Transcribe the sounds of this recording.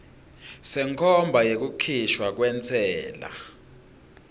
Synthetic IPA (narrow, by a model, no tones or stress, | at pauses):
sɛŋkʰɔmbʱajek̬ukʰiʃwak̬wɛnt͡sʰʼɛːla̰